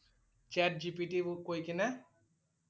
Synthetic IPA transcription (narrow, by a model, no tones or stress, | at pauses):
t͡ʃɛʈ̚d͡ʑipiʈikojkinɛ